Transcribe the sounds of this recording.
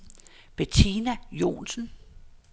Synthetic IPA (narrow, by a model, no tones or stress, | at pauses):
b̥et͡sʰinæjo̝̰ːnsən̩